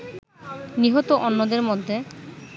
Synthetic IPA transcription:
niɦot̪oʔɔnːod̪eɾmod̪ʱːe

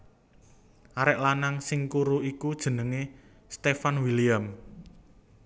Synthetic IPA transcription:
ʔaɾɛʔlanaŋsɪŋkuɾuikud̥ʒ̥ə̤nəŋe | st̪efanwiliam

